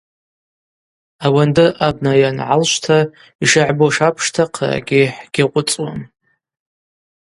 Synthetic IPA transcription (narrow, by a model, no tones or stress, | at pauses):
awandɨʔab̚najanʕa̰lʃʷtʰa | iʂaʕboʂapʰʂtʰaqʰa̰ɡʲɪħɡ̥ʲaqʷʼʊt͡sʼwam